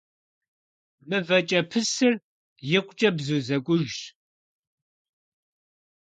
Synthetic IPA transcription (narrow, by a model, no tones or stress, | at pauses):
mɨvɐt͡ʃʼɐpʰɨsɨr | jɪqʷt͡ʃʼɐbzuːzɐkʷʼʊʒɕ